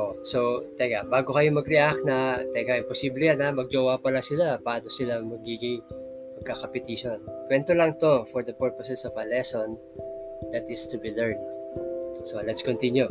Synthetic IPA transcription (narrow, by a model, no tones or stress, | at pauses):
ʔsot̪ɛɡabaːɡokɐjo̞mɐɡɾɛʔak̚nɐt̪ɛɡaʔɪmposiːblɛjanamɐɡ̚d͡ʒowapɐlasɪlapaːnosɪlaŋmɐɡiːɡɪŋ | mɐɡ̚kakɐpɛt̪iʃonkwɛnt̪olɐŋt̪o̞fɔɹd̪ɐpɛɹposɛsɔvɐlɛson | d̪ɐt̪ɪst̪ubilɛɹnd̪ | solɛt̪skont̪inju